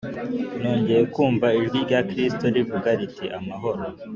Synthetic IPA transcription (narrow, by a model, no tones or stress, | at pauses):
no̞ːɲɟe̞ɾe̞kuːmvaiʒɡiɾɟakɾistoɾivuɡaɾiteʔamaɦo̞ɾo